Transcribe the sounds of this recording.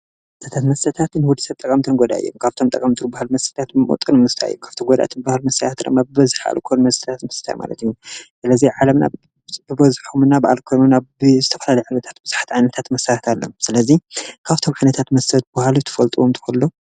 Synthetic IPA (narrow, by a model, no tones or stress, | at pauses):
t̪ʰɐt̪ʰat̪mɐst̪ʰɐt̪ʰat̪nɨwɔd̪isɐβt̪ʼɐkʼɐmt̪ʰɨnɡod̪a̰ʔɨ̰jːo̰mkʰaβt̪ʰo̞mt̪ʼɐkʼɐmt̪ʰɨnbahalmɐst̪ʰɐ̥t̪ʰat̪ɨmo̰t̪ʼɨnɨmɨst̪ʰaɨjːukʰaβt̪ʰomɡod̪a̰t̪ɨnbahalmɐst̪ʰɐt̪at̪ɾɐ̰mabɨbɐzɨħa̰lkʰojnmɐst̪ʰɐ̥t̪ʰat̪mɐst̪ʰa̰jma̰lɐ̰t̪ijːusɨlɐziʕalɐmna̰ | bɨbɐzħumɨnabaʔa̰lkʰo̞jnumnabɨzɨt̪ʰɐfɐlalɐjuʕajnɐt̪ʰḁt̪̚bɨz̥ḁħḁt̪ʰʕajnɐt̪ʰat̪mɐsʰajat̪ʰalːomsɨlɐzikʰaβt̪ʰo̞mʕajnɐt̪ʰat̪mɐst̪ʰɐt̪̚bahalut̪ʰɨ̥fɐlt̪ʼuwomt̪ʰɨ̥xolːo